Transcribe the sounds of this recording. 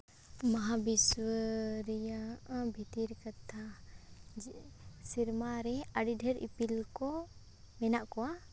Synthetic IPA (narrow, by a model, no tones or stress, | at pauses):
maɦabiswəɾijabʱit̪iɾkat̪ʰa | siɾmaɾɛaɖiɖʱɛɾḭpilkɔ | mɛnaʔkɔwa